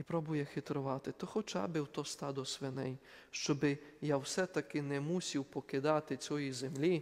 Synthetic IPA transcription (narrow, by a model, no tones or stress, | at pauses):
ipɾɔbʊjɛxɪt̪ɾɔʋɑt̪ɪt̪ɔxɔt͡ʃa̰bɪwt̪ɔst̪ad̪ɔsʋɛnɛ̰j | ʃt͡ʃɔbɪjawsɛt̪ɐkɪnɛmusʲiwpɔkɪd̪ɑt̪ɪt͡sʲɔjizɛmlʲi